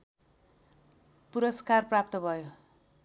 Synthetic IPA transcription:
puɾʌskarprap̚t̪ʌbʱʌjo

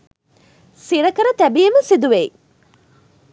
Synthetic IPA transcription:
siɾɐkəɾət̪æbijeməsid̪uʋei

